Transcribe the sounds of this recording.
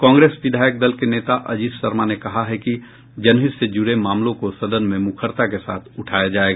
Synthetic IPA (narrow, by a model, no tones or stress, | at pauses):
kãːŋɡɾeːsʋɪd̪ʱaːjək̚d̪ɐlkeneːt̪aʔɐd͡ʒiːssɐɾmanekɐɦaɦɛki | d͡ʒɐnɦɪsed͡ʒʊɾemãːmlõkosɐd̪ənmẽmʊkʰəɾt̪akesaːt̪ʰʊʈʰaːjad͡ʒaːeːɡaː